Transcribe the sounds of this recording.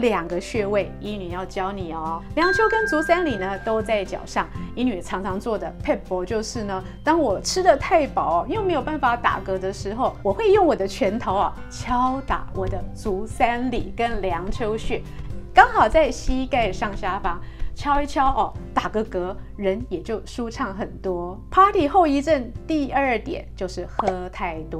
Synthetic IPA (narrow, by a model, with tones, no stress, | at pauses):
ljɑ˨˩ŋɡə˦ɕɥɛ˥˧we˥˩ɪi˧˥ny˨˩jɑ˥˩ʊt͡ɕjɑ˥ʊni˨˩ɔ˦ljɑ˧˥ŋt͡ɕʰjo˥ʊkə˦˥nt͡su˧˥sa˥nli˨˩nə˨t̪o˥ʊt͡sa˥˩ɪt͡ɕjɑ̰˨˩ʊʂɑ˥˩ŋi˧˥ny˨˩ʈ͡ʂʰɑ˧˥ŋʈ͡ʂʰɑ˧˥ŋt͡swɔ˥˩d̪ə˩pʰe˥˩pɔ˧˥t͡ɕjo˥˧ʊʂɻ̩˥˩nə˩ | t̪ɑ˥ŋwɔ˨˩ʈ͡ʂʰɻ̩˥d̪ə˨t̪ʰa˥˩ɪpɑ˨˩ʊɔ˩˦i˥we˥˩me˧˥ɪjo˨˩ʊpa˥˩nfa˨˩t̪a̰˨˩kɤ˧˥d̪ə˧ʂɻ̩˧˥xo˥˩ʊwɔ˨˩xwe˥˧ɪjo˥˩ŋwɔ˨˩d̪ə˦t͡ɕʰɥɛ˧˥nt̪ʰo˧˥ʊɐ˨ | t͡ɕʰjɑ˥ʊt̪a̰˨˦wʔɔ˨˩d̪ə˦t͡su˧˥sa˥nlḭ˨˩kə˦˥nljɑ˧˥ŋt͡ɕʰjo˥ʊɕɛ˥˩kɑ˥ŋxɑ˨˩ʊt͡sa˥˩ɪɕi˥ka˥˧ɪʂɑ˥˩ŋɕja˥fɑ˥ŋt͡ɕʰjɑ˥ʊi˥t͡ɕʰjɑ˥ʊʔɔ˨˩t̪a˨˩kɤ˧˥kɤ˧˥ | ɻə˧˥njɛ˨˩t͡ɕjo˥˩ʊʂu˥ʈ͡ʂʰɑ˥˩ŋxə˨˩nt̪wɔ˥pʰa˥t̪ʰi˨˩xo˥˧ʊi˧˥ʈ͡ʂə˥˧nt̪i˥˧ə˞˥˩t̪jɛ̰˨˩˦nt͡ɕjo˥˧ʊʂɻ̩˥˩xɤ˥t̪ʰa˥˩ɪt̪wɔ˥